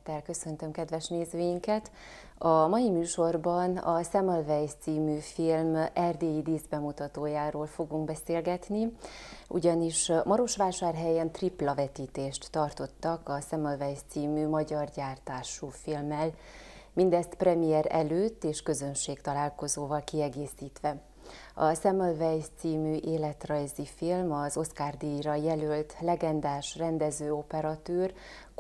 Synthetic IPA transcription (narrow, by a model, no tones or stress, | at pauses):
t̪ːɛlkøsø̞nt̪ømkɛd̪vɛʃneːzøːjiŋkɛt̪ | ɒmɒjimyːʃo̞rbɒnɒsɛmolvɛjt̪siːmyːfilmɛrd̪eːjid̪iːzbɛmut̪ɒt̪oːjaːɾoːlfo̞ɡuŋɡ̚bɛseːlɡɛt̪ni | ṵɟɒniʃmɒɾo̞ʃʋaːʃaːrɦɛjɛnt̪riplɒvɛt̪iːt̪eːʃt̪ːɒrt̪o̞t̪ːɒkɒsɛmolvɛjt̪siːmyːmɒɟɒrɟaːrt̪aːʃufilmɛl | mind̪ɛst̪prɛmijɛɾɛ̰løːt̪ːeːʃkø̞zø̞nʃeːkt̪ɒlaːlko̞zoːvɒlkiɛɡeːsiːt̪ʋɛ | ɒsɛmolvɛjst̪siːmyːʔeːlɛt̪rɒjzifilmɒzo̞skaːrd̪iɾɒjɛlølt̪lɛɡɛnd̪aːʃrɛnd̪ɛzøːo̞pɛɾɒt̪øːr